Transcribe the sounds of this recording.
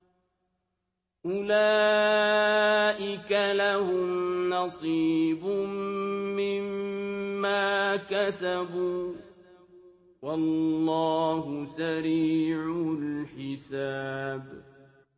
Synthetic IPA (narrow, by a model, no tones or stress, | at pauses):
ʔʊlaː | ʔɪkalahʊmnɑsˤibʊmːɪmː | aːkasabuː | wɑlːɑːhʊsaɾiːʕʊlħɪsaːb